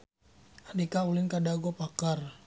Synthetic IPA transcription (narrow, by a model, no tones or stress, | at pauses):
andikaulɪnkadaɡɔpakar